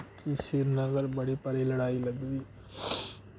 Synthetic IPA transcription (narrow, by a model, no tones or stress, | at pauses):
kisiɾnɐɣɐɾbɐɽipɐɾɐjlɐɽaːjɪlɐdɐði